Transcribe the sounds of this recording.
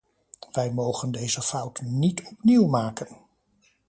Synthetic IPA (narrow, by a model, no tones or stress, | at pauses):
ʋɛjmowχəndejzəfʌwtnitɔpniwmaːkən